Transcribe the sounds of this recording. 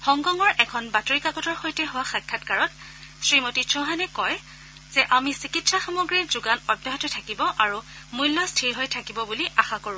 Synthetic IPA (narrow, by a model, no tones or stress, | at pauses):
xɔŋɡɔŋɔɹʔɛkʰɔnbatoɹikaɡɔtɔɹxojtɛɦʊwaxakʰːatkaɹɔt | sɹimotisɔɦanɛkɔj | z̥ɛʔamisikitsaxamɔɡɹiɹzuɡanɔdjaɦɔtɔtʰakibɔʔaɹu | mujlːɔstʰiɹɦojtʰakibɔbuliʔaxakoɹʊ̃